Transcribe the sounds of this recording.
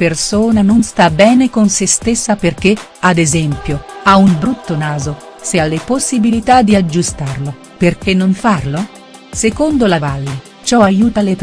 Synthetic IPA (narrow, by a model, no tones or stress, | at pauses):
persoːnanonst̪abɛːnekonsest̪esːaperk̟e | ad̪ezɛmpjoaumbɾut̪ːonaːzosealːeposːibilit̪ad̪ːiad͡ʒːust̪arlo | perk̟enːoɱfarlo | sekond̪olavalːi | t͡ʃɔajuːt̪alet̪